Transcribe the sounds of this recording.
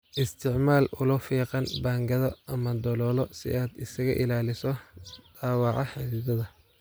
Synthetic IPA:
ʔɪst̪ʰɪʕmaːlʊlʊfiːqɑnbaːŋɡɐðɔʔɐmɐd̪ɔlɔːlɔsɪ̰ʔaːd̪ɪsɐɣɐ̰ʔɪlaːlɪsɔd̪̥aːwɑʕɑħɪðɪðɐðɐ

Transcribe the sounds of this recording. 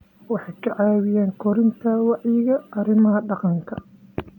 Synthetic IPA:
wɑħɑjkʰɐʕɑːwɪjaːŋkʰɔɾɪnt̪ʰɐwɑʕjjɪɣɐʔɐrɪmɐɦɐɖɑqɑŋkʰɐ

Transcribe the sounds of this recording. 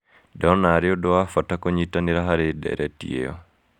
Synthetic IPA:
dɔnaɾɪɔdɔafatakɔɲitaniɾaɦaɾɪdɛ̰ɾʔɛtḭḛɔ̰

